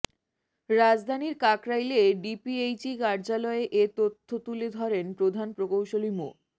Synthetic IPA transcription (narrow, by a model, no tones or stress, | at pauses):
ɾad͡ʑd̪ʱaniɾkakɾajleɖipiejt͡ɕikaɾd͡ʑalɔeʔet̪ot̪ʰːot̪uled̪ʱɔɾenpɾod̪ʱanpɾokowʃolimo̰